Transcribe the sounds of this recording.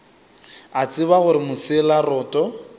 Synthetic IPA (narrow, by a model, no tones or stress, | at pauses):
at͡sʼɪbaɣʊɾɪmʊsɪlarɔːtʼɔ